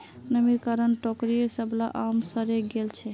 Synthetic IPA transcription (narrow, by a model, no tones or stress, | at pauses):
nəmiɾkaɾənʈɔkɾieɾsəbla̰ʔamsəɾeɡelt͡ʃʰɛ